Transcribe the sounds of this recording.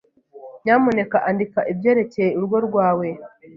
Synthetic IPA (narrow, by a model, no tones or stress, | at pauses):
ɲamune̞kaʔandikaʔibjeːɾe̞cejeuɾuɡoɾɡwaːwe̞